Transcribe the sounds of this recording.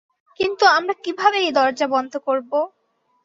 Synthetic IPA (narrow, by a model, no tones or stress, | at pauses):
kint̪uamɾakibʱabejd̪ɔɾd͡ʑabɔnd̪ʱokoɾbo